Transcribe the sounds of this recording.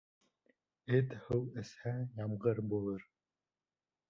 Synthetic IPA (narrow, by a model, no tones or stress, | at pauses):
ɘt̪hɤwɘ̆shæjɑmʁɤɾbulˠɤɾ